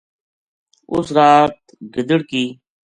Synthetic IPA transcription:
ʊ̰sɾaːt̪̚ | ɡəd̪əɽkiː

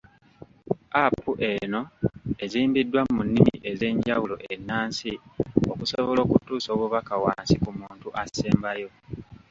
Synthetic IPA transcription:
apːuʔe̞no̞e̞ziːmbidːwamunːimḭʔe̞ze̞ːɲɟawulo̞̰ʔe̞nːaːnsio̞kusoβolo̞ːkutuːso̞ːβuβakawaːnsikumuːntuʔaseːmbajo̞

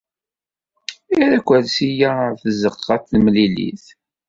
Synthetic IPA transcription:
iɾækʷːæðsijaθəzəqːɑθmlilḭθ

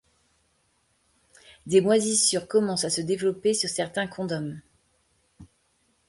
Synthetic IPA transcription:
d̪emwazisyʁkɔmɑ̃sasəd̪evlɔpesyʁsɛʁt̪ɛ̃kʰɔ̃d̪ɔm

